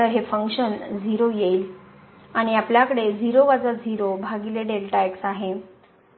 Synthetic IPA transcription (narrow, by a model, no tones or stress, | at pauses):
əɾɦefəŋkʂənd͡zʱiɾojeil | aɽ̃iapljakəɽed͡ziɾoʋad͡zad͡zʱiɾobʱaɡileɖelʈajksaɦe